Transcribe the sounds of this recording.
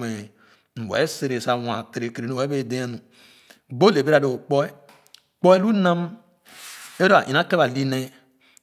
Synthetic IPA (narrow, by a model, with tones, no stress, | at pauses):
me˨ | n̩˨wḛ˨˦se˨ɾe˨sa˨wã˨te˨ɾe˨ke˨ɾe˨no˦˨wbe˦˨dẽ˦a˦nu˨ | ɡ͡bo˦le˨be˦ɾa˨do˨o˨k͡pɔ˦e˦ | k͡pɔ˦ɛ˦lu˦nã˦m | e˦ɾo˦a̰˨ʔĩ˨na˦ke˦βa˨li˦ne˦